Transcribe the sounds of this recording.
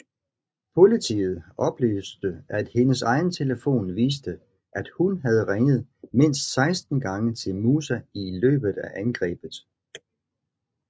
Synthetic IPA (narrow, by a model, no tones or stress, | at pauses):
pʰo̝lit͡sʰḭːð̞̩ˠɒ̽b̥lḛːsd̥əæd̥he̝nəsɑ̈ɪnət͡sʰe̝ləfo̝̰ːnʋiːs̬d̥ə | ʔæd̥hunɦæð̞ˠəʁeŋð̞̩ˠme̝n̰sd̥sɑ̈ɪsd̥n̩ɡ̥ɑ̈ŋət͡sʰe̝lmuːsæilø̰ːb̥ð̞̩ˠæʔænɡ̥ʁɛ̰ːb̥ð̩ˠ